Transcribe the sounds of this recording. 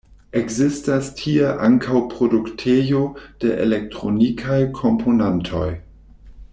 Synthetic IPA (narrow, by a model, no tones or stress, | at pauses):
ekzistastʰieʔaŋkʰawpʁoduktʰejod̥ḛʔḛlek̚tʁonikʰajkʰompʰonantʰo̞̰j